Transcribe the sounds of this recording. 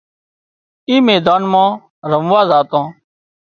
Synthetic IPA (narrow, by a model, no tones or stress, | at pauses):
iːmeːd̪aːnmãː | ɾəmʋaːzaːt̪ãː